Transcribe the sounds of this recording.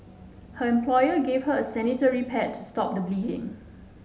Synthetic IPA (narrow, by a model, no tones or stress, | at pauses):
həɛ̃mpʰlɔjəɡev̥həəsɛnitəɹipʰɛtʰːustɔp̚dəbliːdɪ̰̃ŋ